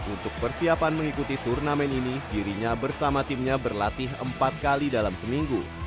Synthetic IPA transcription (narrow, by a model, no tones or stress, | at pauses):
ʔunt̪ʊk̚pərsiapanməŋikut̪it̪urnamɛninidiɾiɲabərsamat̪ɪmɲabərlat̪ɪɦə̰mpat̪̚kalidalamsəmiŋɡu